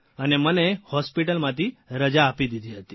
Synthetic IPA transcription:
anemənehɔspiʈəlmat̪iɾəd͡ʑaːpid̪id̪ʱiɦət̪i̥

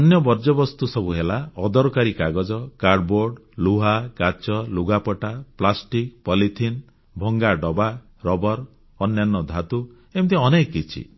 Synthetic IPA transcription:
ɔnjɔbɔɾd͡ʒɔbɔst̪usɔbuɦelaɔd̪ɔɾɔkaɾikaɡɔd͡ʒɔkaɾɖboɾɖluɦakat͡ʃɔluɡapɔʈaplasʈikpɔlit̪ʰin | bʱɔŋɡaɖɔba | ɾɔbɔɾ | ɔnjanːɔd̪ʱat̪u | emt̪iɔnekːit͡ʃʰḭ

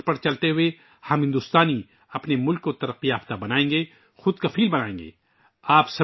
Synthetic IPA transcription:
pɐɾt͡ʃɐlt̪eɦʊe | hɐmɦɪ̃nd̪ʊst̪aːni | ɐpnemʊlkːot̪ɐɾəqːijaːft̪abɐnaːẽːŋɡeː | xʊd̪kɐfiːlbɐnaːẽːŋɡḛː | aːpsɐ

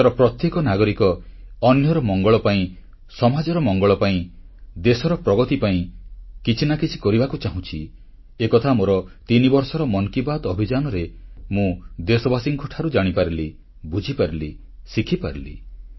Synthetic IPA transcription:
t̪ɔɾɔpɾɔt̪jekɔnaɡɔɾikɔːnjɔɾɔmɔŋɡɔɭɔpaĩ | sɔmad͡ʒɔɾɔmɔŋɡɔɭɔpaĩ | d̪esɔɾɔpɾɔɡɔt̪ipaĩkit͡ʃʰinakit͡ʃʰi̥kɔɾibakut͡ʃaɦũt͡ʃʰi | ekɔt̪ʰamoɾɔt̪inibɔɾsɔɾɔmɔŋkibad̪ɔbʱid͡ʒanɔɾemũd̪esɔbasiŋkʰɔʈʰaɾud͡ʒaɽ̃ipaɾili | bud͡ʒʱipaɾili | sikʰipaɾilḭ

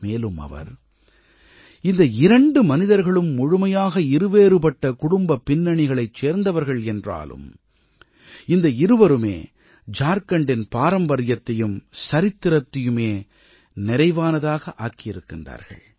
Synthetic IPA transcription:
meːlɯmɐ̰ʋɐ̰ɾ | ɪnd̪ɐɪɾɐɳɖɯmɐnɪðɐɾɣɐɭɯmːʊɻʊmɐjaːɣɐɪɾɯʋeːɾɯpɐʈːɐkʊɽʊmbɐpːɪnːɐɳɪɣɐɭɐɪt͡ʃːeːɾnd̪ɐʋɐɾɣɐɭɛndra̰ːlɯ̰m | ɪnd̪ɐɪɾɯʋɐɾɯmḛː | d͡ʒaːɾkɐɳɖɪnpaːɾɐmbɐɾɪjɐt̪ːɐjɯmsɐɾɪt̪ːɪɾɐt̪ːɪjɯmeː | nɪɾɐɪʋaːnɐðaːɣɐʔaːkːɪjɪɾɯkːɪndra̰ːɾɣɐ̰ɭ

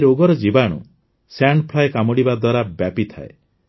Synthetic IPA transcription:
ɾoɡɔɾɔd͡ʒibaɽ̃ṵ | saɳɖpʰlajkamɔɽibad̪waɾabapit̪ʰa̰ḛ

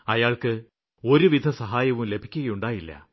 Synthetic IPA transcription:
ɐjaːɭkɨ | o̞ɾuʋid̪ʱɐsɐɦaːjɐʋumle̞bʱikʲːuɣɐjuɳɖaːjilːɐ̰

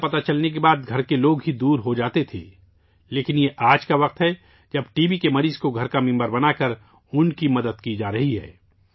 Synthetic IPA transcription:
pɐt̪at͡ʃɐlnek̬ebaːd̪ɡʱɐɾkeloːɡɦid̪uːɾɦod͡ʒaːt̪et̪ʰḛː | leːkɪnjeʔaːd͡ʒkaʋɐq̚t̪ɦɛ | d͡ʒɐbʈiːbikemɐɾiːzkoɡʱɐɾkamɪ̃mbəɾbɐnakɐɾ | ʊnkimɐd̪əd̪kid͡ʒaːɾɐɦiɦɛ̰ː

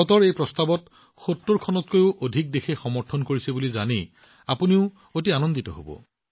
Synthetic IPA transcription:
ɔtɔɹejpɹɔstabɔt | xotːoɹkʰɔnɔtkojʊʔodʱik̚dexʰexɔmɔɹtʰɔnkoɹisebuliza̰ne | apuniʊ | ot̬ianɔnditɔɦo̰bɔ̰

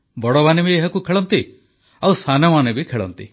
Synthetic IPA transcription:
bɔɽɔbanebieɦɔkukʰeɭɔnt̪i | awsʰanɔmanebikʰeɭɔ̰nt̪i

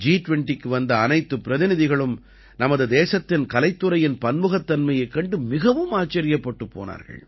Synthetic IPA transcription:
d͡ʒiːʈʋɛɳʈikːɯʋɐnd̪ɐːnɐɪt̪ːɯpːɪɾɐðɪnɪðɪɣɐɭɯm | nɐmɐðɯd̪eːsɐt̪ːɪnkɐlɐɪt̪ːɯɾɐjɪnpɐnmɯɣɐt̪ːɐnmɐjɐɪkːɐɳɖɯmɪɣɐʋɯmaːt͡ʃːɐɾɪjɐpːɐʈːɯpːo̰ːna̰ːɾɣɐ̰ɭ

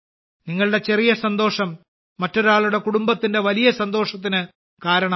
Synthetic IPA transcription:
niŋːɐɭɨɽe̞t͡ɕe̞rijɐsɐnd̪o̞ːʂɐmː | ɐtːo̞ɾaːɭuɽe̞kuɽumbɐt̪ːindeʋɐlijɐsɐnd̪o̞ːʂɐt̪̬ːinɨ | kaːɾɐɳɐ

